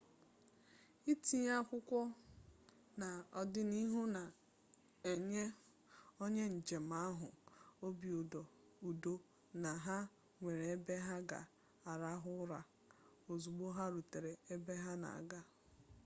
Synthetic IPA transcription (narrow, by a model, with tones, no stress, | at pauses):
i˦ti˦ɲ˦a˦kʷʊ˦kʷɔ˦ | na˨ɔ˨dɪ˦ni˦ɦu˦na˨ | e˨ɲe˦ | o˦ɲe˦n̩˨d͡ʒe˨m̩a˦ɦʊ̰˨o˦bi˨u˨dɔ˨ | u˨do˦ | na˨ɦa˦ | ŋʷe˨ɾe˨e˦be˦ɦa˦ɡa̰˨ | a˨ɾa˦ɦʊ˦ɾa˨ | o˨zu˨ɡ͡bo˦ɦa˦ɾu˨te˨ɾe˨e˦be˦ɦa˦na̰˨a̰˨ɡa˦